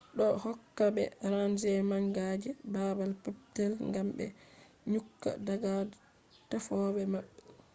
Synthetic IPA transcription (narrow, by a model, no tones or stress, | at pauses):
ɗɔhɔkːabɛ̰ɾand͡ʒɛmaŋɡad͡ʒɛbabalpap̚tɛlŋɡambɛ̰ | ɲukːa̰daɡad | tafɔbɛmaɓːɛ